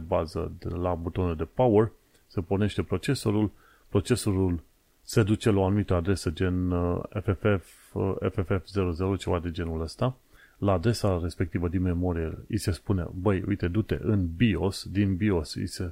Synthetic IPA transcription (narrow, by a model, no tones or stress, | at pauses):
bazə̰d̪elabut̪o̞neld̪e̞pawər | se̞po̞rne̞ʃt̪e̞pɾo̞t͡ʃe̞so̞ɾul | pɾo̞t͡ʃe̞so̞ɾul | se̞d̪ut͡ʃe̞laoanumit̪əad̪ɾe̞səd͡ʒe̞nḛfeef | efefefze̞ɾozeɾot͡ʃevad̪ed͡ʒe̞nuləst̪a | laːd̪ɾe̞saɾe̞spek̚t̪ivəd̪inme̞mo̞ɾijḛise̞spune̞̰bəjṵjt̪e̞d̪ut̪e̞̰ʔɨnbio̞sd̪inbio̞sḭse̞